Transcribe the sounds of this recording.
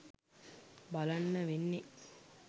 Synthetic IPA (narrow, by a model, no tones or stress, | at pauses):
bɐlɐnːɐʋenːe